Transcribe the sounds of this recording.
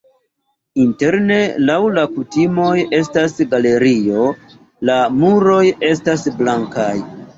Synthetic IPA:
inte̞ɾne̞lawlakutimo̞je̞s̬tasɡale̞ɾio̞ | lamuɾo̞je̞stasblaŋkaj

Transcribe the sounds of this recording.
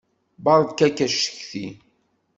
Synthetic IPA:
bɑɾˤðkækːæʃːə̥çθi

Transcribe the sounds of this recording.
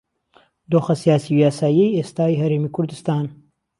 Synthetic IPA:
d̪oːxɐsijaːsijaːsaːjejest̪aːjɦɐɾeːmiːkʰʊɾd̪ɨst̪aːn

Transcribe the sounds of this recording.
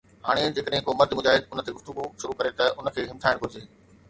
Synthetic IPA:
ɦa̰ːɽ̃ed͡ʑeːkəɗɦɪ̃koːmɐɾd̪ʱɪmʊd͡ʑaːɦɪd̪ʊnət̪ʰeɡʊft̪ʊɡuʃʊɾukɐɾet̪ɐʊnə̆kʰeːɦɪmt̪ʰaːɪɽ̃bʊɾɪd͡ʑeː

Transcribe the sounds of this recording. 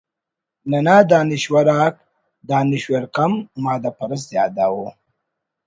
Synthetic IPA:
nɐnaːd̪aːnɪʃwaɾaːk | d̪aːnɪʃweɾqamːɑːd̪apɐɾəs̬jɑːd̪awo

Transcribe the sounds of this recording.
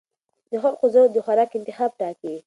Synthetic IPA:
d̪̥əxaqʊzəwd̪əxwaɾɑːkɪnt̪ɪxɑːb̚ʈɑki

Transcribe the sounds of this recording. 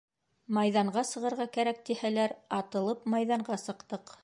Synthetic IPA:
mɑjðɑɴɢɑsɤ̆ʁɤ̆ɾʁɑkæɾæk̚t̪ihælæɾɑt̪ɤ̆lˠɤpmɑjðɑɴɢɑsɤ̆qt̪ɤq

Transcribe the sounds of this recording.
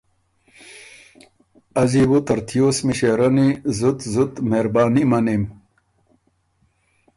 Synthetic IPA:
ɐzibut̪ɐɾt̪ʰijoːsmiɕeɾɐnizut̪zut̪meɾbaːnimɐnim

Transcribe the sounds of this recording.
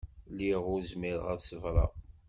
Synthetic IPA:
liʁʊɾzmiɾ̰ʁæðsəvɾˤɑ̰

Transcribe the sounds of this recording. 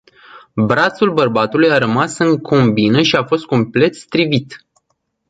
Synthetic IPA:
bɾat̪sulbərbat̪ulujaɾəmasɨŋkʰo̞mbinəʃiafo̞st̪̚ko̞mple̞t̪st̪ɾivit̪

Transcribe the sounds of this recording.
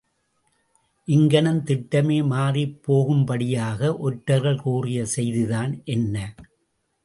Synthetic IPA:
ʔɪŋɡɐɳɐnt̪ɪʈːɐmeːmaːripːoːɣɯmpɐɽɪjaːɣɐʔɔʈːɐɾɣɐɭkuːrɪjɐsɛjðɯðaːnʔɛnːɐ

